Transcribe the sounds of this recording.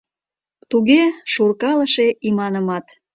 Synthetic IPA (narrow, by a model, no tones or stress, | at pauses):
t̪uɣeʃurkɑləʃeʔimɑnəmɑt̪